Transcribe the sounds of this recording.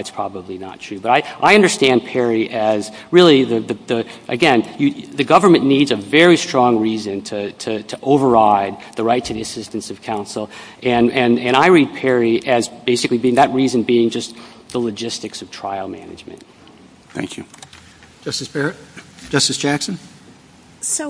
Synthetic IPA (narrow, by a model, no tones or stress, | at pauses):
ɨtspʰɹ̥ɑbəblinə̰tʰɹ̥ʉbʌɾaɪʔaɪʌ̃ndə˞stæ̃npʰɛɹiʔɨz | ɹɪlˠiðɨðɨðɨʔɨɡɛ̃njɨðɨɡʌvə˞mɨ̃nːidzɨvɛɹistɹ̥ɔ̃ŋɹizɨ̃ntʰɨtʰɨɾʰɨʔoʊvə˞aɪd̪̚ðəɹaɪtʰɨðiɨsɪstɨ̃n̩sʌv̥kʰãʊ̃nsl̩ˠ | ʔɨ̃nɨ̃nɨ̃ɾ̃aɪɹid̚pʰɛɹiʔɨzbeɪsɨklibiɪ̃ŋðɨt̚ɹizɨ̃nbiɪ̃ŋd͡ʒʌst̪ðəlɨd͡ʒɪstɨksʌv̥tʰɹ̥aɪl̩ˠmæ̰nɨ̰d͡ʒmɨ̰̃nt̚ | θæ̰̃ŋkʰjʉ | ʌsɨ̥ | d͡ʒ̥ʌstɨsd̥ʒ̥æksɨ̃n̩